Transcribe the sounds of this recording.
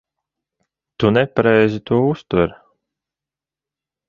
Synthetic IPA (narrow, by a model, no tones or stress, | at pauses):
t̪unɛpaɾɛjzit̪uɔust̪ɨɾ